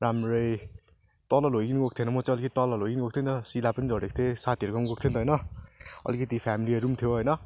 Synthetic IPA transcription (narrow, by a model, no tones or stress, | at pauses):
ɾamɾʌj | t̪ʌlʌlɦojɡiniɡok̚t̪ʰenʌmʌt͡sãʌlikʌt̪it̪ʌlʌlɦojɡiniɡok̚t̪ʰont̪ʌsilapʌnid͡zʌɽek̚t̪ʰesat̪ʰiʌɾukʌmɡok̚t̪ʰjont̪ɦʌjnʌʌ̰likʌt̪ipʰamiliʌɾumt̪ʰjoɦʌjnʌ